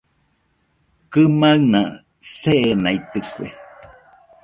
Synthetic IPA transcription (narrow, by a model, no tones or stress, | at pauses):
kɨmaŋna | seʔenait̪ɨkʷḛ